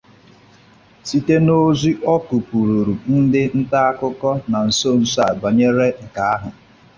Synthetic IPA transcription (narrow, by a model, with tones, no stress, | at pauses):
si˦te˦no˦zi˦ʔɔ˦ku˨pu˨ɾu˨ɾu˨n̩˦dɪ˦n̩˦ta˦a˦kʊ˦kɔ˦na˨n̩˨so˦˨n̩˨sa˦˨ɡ͡ba˨ɲe˦ɾe˦ŋ̩˨ka˨a˦ɦʊ˨